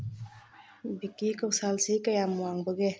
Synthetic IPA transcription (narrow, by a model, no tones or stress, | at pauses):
bikikɔwsalsekajamuwaŋbɔɡe